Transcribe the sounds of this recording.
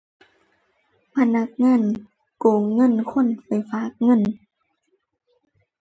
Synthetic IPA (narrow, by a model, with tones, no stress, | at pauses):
pʰa˧na˧˦k̚ŋa˧˥˨n | koː˨˩ŋːɤ˧˥˨nkʰo˧˥˨npa˨jfaː˧˦k̚ŋɤ˧˥˨n